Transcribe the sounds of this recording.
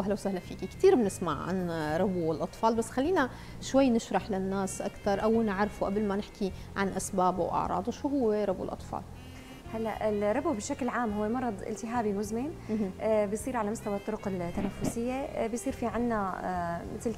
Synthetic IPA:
wʔahlawsahlafiːkikt̪iːɾbɪnɪsma̰ʕʕa̰nɾˤɑbuɪlʔɑt̪ˤfɑːlbasːxalːiːna | ʃwajːnɪʃɾˤɑħlɪnːaːsʔa̰kt̪ɑɾˤʔawnɪʕɾˤfuʔablmanɪħki | ʕanʔasbaːba̰wʔɑ̰ʕɾˤɑ̰ːd̪ˤuʃuːɦʊwːeɾˤɑbṵlʔɑ̰t̪ˤfɑ̰ːl | halːaʔɪlɾˤɑbubɪʃːaklʕaːmɦʊwːemɑɾˤɑd̪ˤʔɪ̰lt̪ɪɦaːbimʊzmɪnʔbɪjsˤiːɾʕalamʊst̪awat̪ˤːʊɾʊqɪt̪ːanafːʊsɪjːebjsˤiːɾfiʕanːamɪt̪l

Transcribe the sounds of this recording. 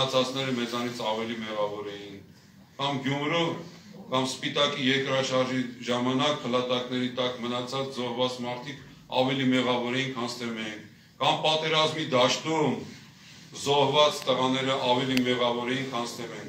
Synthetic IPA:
ɑt͡sʰɑt͡snɛɾəmɛt͡sɑnit͡sʰɑvɛlimɛʁɑvɔɾɛjin | kɑmɡjumɾɔv | kɑmspit̪ɑkijɛɾkɾɑʃɑɾʒiʒɑmɑnɑk̚pʰəlɑt̪ɑkn̪ɛɾit̪ɑkmənɑt͡sʰɑt͡szɔhvɑt͡smɑɾt̪ʰik | ɑ̰vɛlimɛʁɑvɔɾɛjinkʰɑnst̪ɛmɛjinʰ | kɑmpɑt̪ɛɾɑzmid̪ɑʃt̪um | zɔhvɑt͡st̪əʁɑnɛɾəʔɑvɛlimɛʁɑvɔɾɛjinkʰɑnst̪ɛvɛn

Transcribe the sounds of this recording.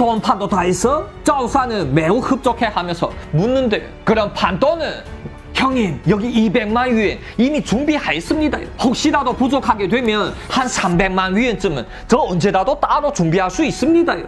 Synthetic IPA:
tonpʰandotaesʰʌt͡ɕausʰanɯnmeuhɯp̚t͡ɕ͈okʰe̞hamjʌnsʰʌmunːɯnde̞jokɯɾʌnpʰant͈onɯn | çjʌŋimjʌɡiibe̞ŋmanɥienimit͡ɕuŋbihajes͈ɯmɲida̰jo̰hok̚ɕ͈iɾadopud͡ʑokʰaɡedwemjʌnhansʰambe̞ŋmanɥient͡ɕɯmɯn | t͡ɕʌʌnd͡ʑe̞dadot͈aɾot͡ɕumbiɦaɭs͈uis͈ɯmɲidajo̰

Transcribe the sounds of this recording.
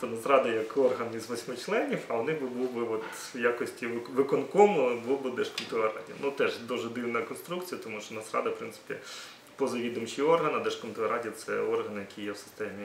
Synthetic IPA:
t̪ɔnɐst̪ɾɑd̪ɐjɐkʰɔrɦɐnizʋɔsʲmɪt͡ʃlˠɛnʲiwɐʋɔnɪbɪbuwbɪɔt̪ | jakɔsʲtʲiʋʋɪkɔnkɔmɔbuwbɪd̪ɛʃkɔnt̪ɔɐɾɑ̰dʲiɐ̰nut̪ɛʒd̪uʒɛd̪ɪwnɐkɔnst̪ɾukt͡sʲijɐt̪ɔmuʃt͡ʃɔnɐst̪ɾɑ̰d̪ɐfpɾɪnsɪ̥pʲḭ | pɔzɐjʲid̪ɐmt͡ʃijɔrɦɐnɐd̪ɛʃkɔnt̪ɪɐɾɑdʲijɐt̪sɛ̰ɔrɦɐnjɐkʰʲijɛwsɪ̥st̪ɛmʲi

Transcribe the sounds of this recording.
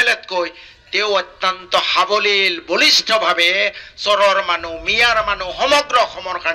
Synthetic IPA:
let̪koj | t̪ewɔt̪ːant̪ɔhabolilbolisʈʰɔbʱabesɔɾɔɾmanumijaɾmanuxɔmɔɡɾɔxʰɔmɔɾka

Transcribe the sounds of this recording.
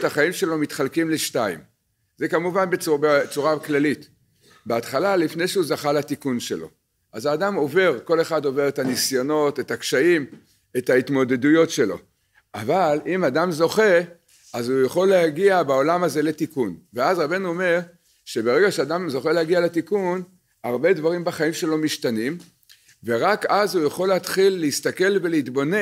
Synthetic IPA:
taχaimʃe̞lo̞mitχalkimleʃtaḭm | ze̞kamuvanbebet͡suʁaklalit | beat̪χalalifne̞jʃeuzaχalatikunʃe̞lo̞̰ | azaːdamo̞ve̞ʁko̞le̞χado̞ve̞ʁetanisjo̞no̞tetakʃaim | etaitmo̞de̞dujo̞tʃe̞lo̞̰ | ʔavalimadamzo̞χe̞ | azujaχo̞lːeaɡiabaolamaze̞le̞tikunveazʁabe̞nuo̞me̞ʁ | ʃe̞beʁe̞ɡaʃeadamzo̞χelehaɡialetikun | aʁbe̞dvaʁimbaχaimʃe̞lo̞miʃtanim | ve̞ʁakazhujaχo̞leat̪χilːeist̪ake̞lve̞leitbo̞ne

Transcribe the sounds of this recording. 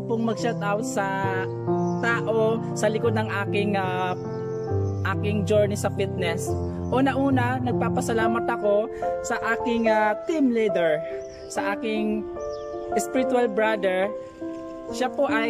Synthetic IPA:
poŋmɐɡ̚ʃɛlt̪ʔawt̪sɐ | t̪aːʔo | sɐlɪkod̪nɐŋʔaːkɪŋa | ʔaːkɪŋd͡ʒoɹnisɐfit̪̚nɛs | ʔoːnɐʔuːnɐnɐɡ̚paːpɐsɐlaːmɐt̪ɐko̞sɐʔaːkɪŋat̪ɪmlid̪ɛɹ | sɐʔaːkɪŋ | ʔɪspɪɾɪt̪ualbɹad̪ɛɹ | ʃapoʔɐj

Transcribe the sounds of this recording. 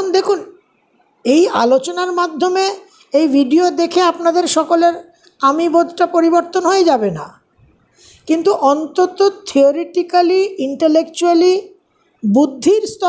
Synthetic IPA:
nd̪ekʰun | eja̰lot͡ɕonaɾmad̪ʱːome | ejbʱiɖiod̪ekʰeapnad̪eɾʃɔkoleɾ | amibod̪ʱʈapoɾiboɾt̪onɦoed͡ʑabena̰ | kint̪uʔɔnt̪ot̪ot̪ʰioɾeʈikaliiɳʈelekt͡ɕuali | bud̪ʱːiɾst̪ʰɔ

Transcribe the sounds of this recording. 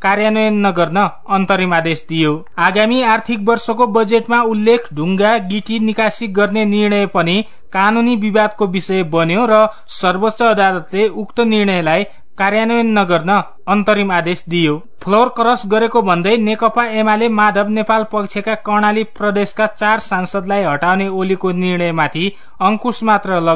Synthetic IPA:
karjanʌjʌnːʌɡʌrnʌ | ʌnt̪ʌɾimad̪esd̪ijo | aɡamiart̪ʰik̚bʌrsʌkobʌd͡zeʈmaulːekʰɖʱuŋɡaɡiʈinikasik̚ɡʌrnenirɳʌjpʌni | kanunibibad̪̚kobisʌjebʌnjoɾʌ | sʌrbot͡sʌːd̪alʌt̪leukt̪ʌnirɳʌjlaj | kaɾjanʌenːʌɡʌrnʌː | nt̪ʌɾimad̪esd̪ijo | pʰlorkɾʌsɡʌɾekobʱʌnd̪ʌjnekʌpaemalemad̪ʱʌbnepalpʌkt͡ʃʰekakʌrɳaliprʌd̪eskat͡sarsansʌd̪lajɦʌʈawneolikonirɳ̃ʌjmat̪ʰi | ʌŋkusmat̪rʌlʌ

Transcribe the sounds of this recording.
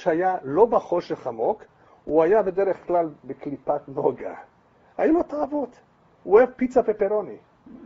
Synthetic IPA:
ʃhajalo̞baχo̞ʃe̞χamo̞k | uajabe̞d̪e̞ʁeχklalbeklipatno̞ɡa̰ | hajulo̞t̪aːvo̞t̪ | uevpit͡sapepeʁo̞ni

